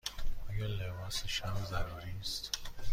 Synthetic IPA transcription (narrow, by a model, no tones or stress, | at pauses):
ɔːjɑlebɑːseʃamzæɾuːɾist̪